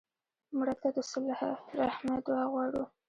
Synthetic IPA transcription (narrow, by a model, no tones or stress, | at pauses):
mɽat̪ad̪əsʊlhaɾahmad̪waɣwɑɽu